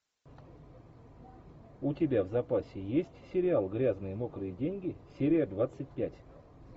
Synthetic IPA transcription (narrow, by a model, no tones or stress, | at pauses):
ʊtʲɪbʲavzɐpasʲɪjesʲtʲsʲɪɾʲɪalˠɡɾʲaznɨjəmokɾɨjədʲenʲɡʲɪsʲeɾʲɪjəd̪vat̪sɨt̚ʲpʲætʲ